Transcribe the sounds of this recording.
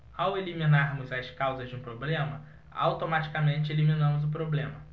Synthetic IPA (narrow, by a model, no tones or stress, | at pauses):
aweliminaɾmʊzɐskawzɐzd͡ʒɪũpɾoblẽmɐ | a̰wt̪omat͡ʃi̥kamẽnt͡ʃɪelimĩnɐ̃mʊzʊp̬ɾoblẽmɐ